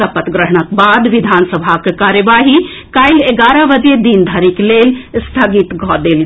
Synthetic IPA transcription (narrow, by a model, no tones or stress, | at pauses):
apət̪ɡɾəɦɳ̃ək̚baːd̪ʋid̪ʱaːnsəbʱakekaːɾjəʋaːɦi | kaɪleɡaːɾəʋəd͡ʒjed̪ind̪ʱəɾiklelst̪ʰəɡit̪ɡʱɔd̪eːl